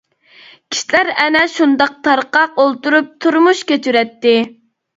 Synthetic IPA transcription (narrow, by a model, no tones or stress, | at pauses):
kʲʰi̥ʃilæɾɛnɛʃund̪ɑq̚t̪ʰɑɾqɑqolˠt̪uɾup̚t̪ʰuɾmuʃkʲet͡ʃyɾɛt̪ːɪ